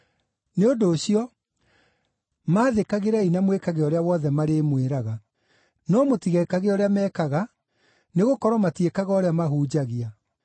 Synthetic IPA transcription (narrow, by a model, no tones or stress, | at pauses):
neodoːɕiɔ | maːðekaɣeɾɛinamwekaɣeɔɾeawɔðɛmaɾemweɾaɣa | nɔmotiɣɛekaɣeɔɾeamɛːkaɣa | neɣokɔɾɔmatiekaɣaɔɾeamaɦuːd͡ʑaɣia